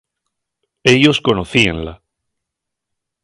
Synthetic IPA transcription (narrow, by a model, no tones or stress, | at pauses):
e̞ʎo̞sko̞noθienla